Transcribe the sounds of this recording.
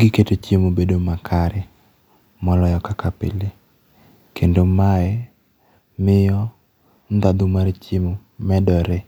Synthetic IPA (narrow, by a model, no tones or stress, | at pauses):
ɡɪketet͡ʃemobedomakʰaɾɪ | mɔlɔjɔkakapḛle | kʰendomaɛ | mɪjɔ | nd̪ad̪ʊmart͡ʃimo | mɛdɔɾe